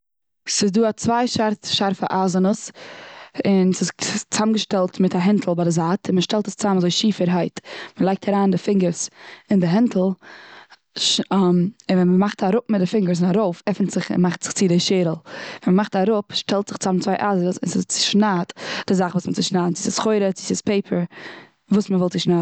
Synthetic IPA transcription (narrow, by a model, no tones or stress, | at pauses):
sɪzduːat͡svaɪʃaɾʃaɾfə̰ʔaːzənəs | ɪnsɪst͡samɡəʃtɛlˠtmɪtaɦɛntʰl̩ˠbadɪzaːtʰɪnməʃtɛlˠtəst͡samazoɪʃiːfəɾɦaɪtməlˠaɪk̚tʰaɾaːndɪfɪŋɡəɾsɪndɪɦɛntʰl̩ˠ | ʃmɪnvɛnməmaχtaɾʊp̚mɪt̚dɪfɪŋɡəɾs̬ɪnaɾoʊfɛfn̩tz̥ɪχɪ̰nmaχtz̥ɪ̥χt͡sɪdɪʃeːɾəl̩ˠvɛnməmaχtaɾʊpʃtɛlˠtz̥ɪχt͡samt͡svaɪʔazəsɪ̰nsɪst͡sɪ̥ʃnaːtd̥ɪzaχvuːsmət͡sɪʃnaːdnt͡sɪsɪsχoɪɾət͡sɪsɪspʰeɪpʰəɾ | vuːsməvɔlˠtt͡sɪʃnaː